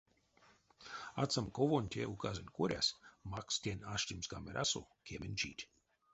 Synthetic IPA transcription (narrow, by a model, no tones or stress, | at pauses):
at̪samkovonʲt̪ʲeukazenʲkuɾʲa̰smakst̪ʲenʲaʃt̪ʲimsɡamɛɾʲʔa̰so̰ | kʲʰemʲenʲt͡ʃḭːt̪ʲ